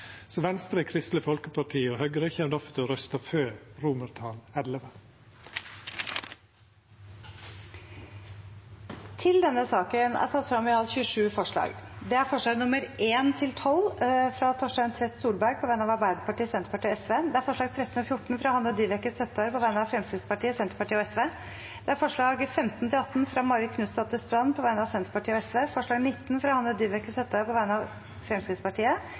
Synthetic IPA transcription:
sɔʋɛnst̪ɾəkʰɾɪst̪ləfɔlkəpʰɑʈʰiːɔhœɡəɾəɪçəɛmd̪ɔft̪ʰɔɾœst̪əføːɾuːməɾt̪ʰɑːlɛd̪ləʋə | t̪ʰɪld̪ɛnːəsɑːkənæ̰ːt̪ʰɑt̪ːfɾɑmːɪɑlçʉːʂʉːfɔʂɭɑ̰ːɡd̪ɛæɾfɔʂɭɑːɡnʊməɾeːnt̪ʰɪlt̪ʰɔlfɾɑt̪ʰɔʂʈɑɡənt̪ʰʋɛt̪ːsuːlbæɾɡ̚pʰɔʋæɪnəɑʋɑɾbæɪd̪əɾpʰɑʈiːsɛnt̪ɾəpɑʈiːɔɛsʋeːd̪ɛæɾfɔʂɭɑːɡ̚t̪ʰɾɛt̪ːn̩ɔfjʊʈːɳ̩fɾɑhɑnəd̪yːʋɛkːəsœt̪ːəoːɾəpʰɔʋæɪnəɑʋfɾɛmskɾɪd̪spɑʈiːəsɛnt̪ɾəpɑʈiːɔɛsʋeː | d̪̥ɛæɾfɔʂɭɑːɡfɛmt̪n̩t̪ʰɪlɑt̪ːn̩fɾɑmɑɾɪkʰnʉsɑt̪ʰəst̪ɾɑnpʰɔʋæɪnəɑʋsɛnt̪ɾəpɑʈʰiːɔɛsʋefɔʂɭɑːɡnɪt̪ːnfɾɑhɑnəd̪yːʋɛkːəsœt̪ːəoːɾəpʰɔʋæɪnəɑʋ | fɾɛmskɾɪd̪spɑʈiːə

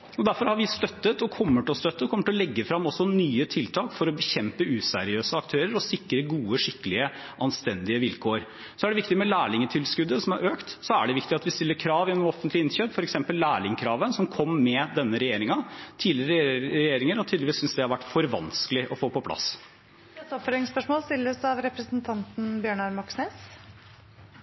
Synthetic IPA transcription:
ɔd̪æɾfɔɾhɑɾʋɪst̪œt̪ːət̪ɔkʰɔmːəʈɪɔst̪œt̪ːəɔkʰɔmːəʈlɔlɛɡːəfɾɑmːɔsːɔnyːət̪ʰɪlt̪ʰɑːkfɔɾɔbəçɛmpəʉːsæ̰ɾɪøːsəɑkt̪ʰøːɾəɾɔsɪkːɾəɡuːəʂɪkːəlɪə | ʔɑnst̪ɛnd̪ɪəʋɪlkʰoːəɾ | sɔæɖɛʋɪkt̪ɪmɛlæːɭɪŋət̪ʰɪlskʉd̪ːəsɔmæɾʔøːkt̪sɔæɖɛʋɪkt̪ɪɑt̪ʋɪst̪ɪlːəɾkʰɾɑːʋjɛnːɔmɔfənt̪lɪɪnçøːpfɔɾɛksɛmpəlːæːɭɪŋkʰɾɑːʋənsɔmkʰɔmːɛd̪ɛnːəɾɛjeːɾɪŋɑt̪ʰiːd̪lɪɾəɾɾɛjeːɾɪŋəɾɔt̪ʰiːd̪lɪʋiːsːʏnsd̪ɛhɑɾʋæʈːfɔɾʋɑ̰nskəlɪʔɔfoːpɔpʰlɑ̰s | ɔpføɾɪŋspœʂmoːlst̪ɪlːəɾɔsɑʋɾɛpɾəsənt̪ʰɑnt̪n̩bjøːɳɑɾmɑksneːs

